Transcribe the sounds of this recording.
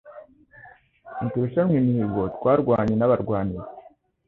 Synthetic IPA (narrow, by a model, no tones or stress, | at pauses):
mituɾuʃamŋeniβotwaːɾɡwaːɲenaβaɾɡwaːniɾe